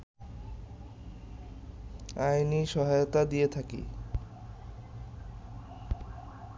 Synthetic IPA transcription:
ajniʃɔɦajot̪ad̪ijet̪ʰakḭ

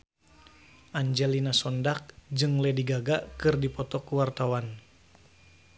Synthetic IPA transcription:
ʔaɲd͡ʒɛlinasɔndak̚d͡ʒɨŋlɛdiɡaɡaʔkɨrdipɔt̪ɔkuwart̪awan

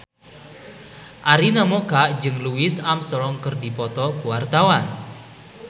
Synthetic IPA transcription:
ʔaɾinamɔkaʔd͡ʒɨŋluɪsamsɔɾɔŋkərdipɔt̪ɔkuwart̪awan

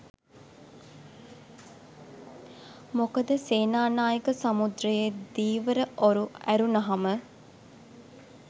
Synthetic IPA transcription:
mokəd̪əseːnaːnaːjəkəsamud̪ɾəjed̪iːʋəɾəʔoɾuæɾunɐɦamə

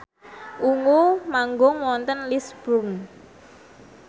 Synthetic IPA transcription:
ʔuŋomaŋɡɔŋwɔnt̪ənlisb̥un

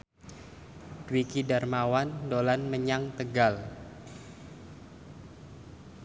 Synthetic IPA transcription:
dwikidarmawandolanməɲaŋt̪əɡal

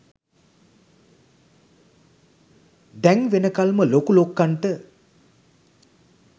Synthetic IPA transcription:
d̪æŋʋenəkalməlokulokːaɳʈə

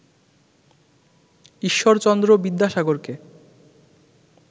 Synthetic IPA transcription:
iʃːoɾt͡ɕɔnd̪ɾobid̪ʱːaʃaɡoɾke

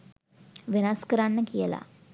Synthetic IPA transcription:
ʋenaskəɾanːəkijəla̰

